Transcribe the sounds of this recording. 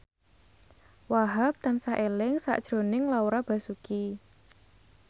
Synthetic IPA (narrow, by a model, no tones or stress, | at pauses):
waɦap̚t̪ansaʔelɪŋsa̰ʔd̥ʒ̥ɾo̤nɪŋlauɾab̥ä̤suki